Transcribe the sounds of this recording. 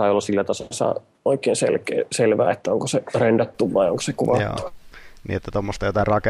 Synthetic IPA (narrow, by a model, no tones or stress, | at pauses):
ɑˑiolːɑsilːæt̪ɑssɑ̰ | oikeːnsḛlkḛːselʋæ̰ːet̪ːæoŋkoserendɑt̪ːuʋʋɑijo̰ŋko̥sekuʋɑt̪ːu̥nḭːet̪ːæt̪omːost̪ɑjot̪ɑrɑke